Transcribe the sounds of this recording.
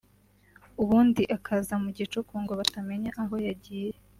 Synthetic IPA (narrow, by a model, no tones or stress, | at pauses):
uβuːndiʔakʰazamuɟit͡ʃukuːŋɡo̞βatame̞ɲaʔaɦo̞jaɟiːje